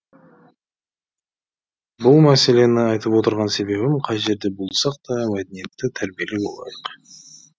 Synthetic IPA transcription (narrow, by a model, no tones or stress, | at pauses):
bʊlˠmæse̞le̞nɪɑjt̪əpwo̞t̪əɾʁɑnse̞be̞bɪmqʰɑjʒe̞ɾd̪e̞bʊlˠsɑq̚t̪ɑmæd̪enije̞t̪ːɪt̪ʰæɾbije̞lebo̞̰lˠɑ̰jəq